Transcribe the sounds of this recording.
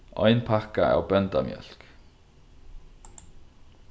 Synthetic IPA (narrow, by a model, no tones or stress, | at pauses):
ʔɔʏnpʰakaɛ̰ːwbœnt̪amjœ̰l̥k